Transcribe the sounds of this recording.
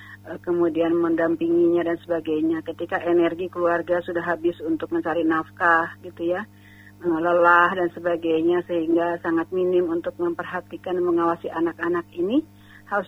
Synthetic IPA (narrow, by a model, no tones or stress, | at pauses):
əkəmudianməndampiŋiɲadansəbaɡajɲakət̪ikaʔenɛrɡikəluarɡasudaɦːabɪsunt̪ʊk̚məɲt͡ʃaɾinafkahɡit̪uja | ələlahdansəbaɡajɲasəɦiŋɡasaŋat̪̚minɪmunt̪ʊk̚məmpərɦat̪ikanməŋawasiʔanakanakini | haɾus